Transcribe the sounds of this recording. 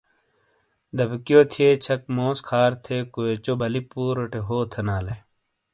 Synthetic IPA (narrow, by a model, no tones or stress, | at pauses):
d̪ɐbkijoːt̪ʰiet͡ɕʰɐk̚moːskʰaːɾt̪ʰekoet͡ɕobʱɐlipuːɾoʈeɦoːt̪ʰenaːle